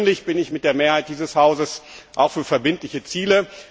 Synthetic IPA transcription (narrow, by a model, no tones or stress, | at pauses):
nlɪçb̥ɪnɪçmɪt̚d̥eːɐmeːɐhaɪt̚d̥iːzəshaʊzəsʔaʊxfyːɐfɛɐbɪntlɪçət͡siːlə